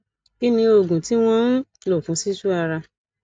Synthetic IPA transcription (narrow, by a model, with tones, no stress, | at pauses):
ki˦nĩ˧o˨ɡũ˨ti˨˦w̃ɔ̃˦n̩˦lo˦˨fũ˨˦si˦su˦a˧ɾa˧